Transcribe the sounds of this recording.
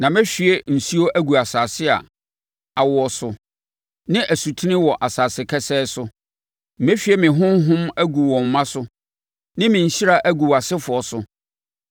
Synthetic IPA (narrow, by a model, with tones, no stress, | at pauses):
nã˨mɪ̃˦ɕᶣi˨e˦n̩˨si˦o˦ʔæ˦ɡu˨a˨saː˨sɪ˦a̰˨ | a˨wʊ˨ɔ˨sʊ˨ | nɪ̃˦ʔæ˨su˨tʰu˦nɪ̃˦wɔ˨ʔa˨saː˨sɪ˨kʰɛ˦sɛː˦sʊ˦ | mẽ˦ɕᶣi˨ɛ˦mɪ̃˨ɦʊ̃˦m˦ɦʊ̃˦mæ˦ɡu˨wɔ̃˨m̩˨mã˦sʊ˦ | nɪ̃˦mɪ̃˨ɕi˦ɾa˦˨ʔæ˦ɡu˨wa˨sɪ˦fʊ˨ɔ˨sʊ˨